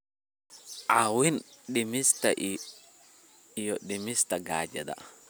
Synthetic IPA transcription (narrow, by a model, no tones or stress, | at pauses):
ʔawɪnɗɪmɪst̪ɐʔ | jɔɗɪmɪst̪ɐɡaːd͡ʒɐd̪ɐ̰